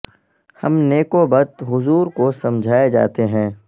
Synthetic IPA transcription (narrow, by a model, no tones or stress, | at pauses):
hɐmneːkobɐt̪ɦʊzuːɾkosɐmd͡ʒʱaːed͡ʒa̰ːt̪eɦɛ̃ː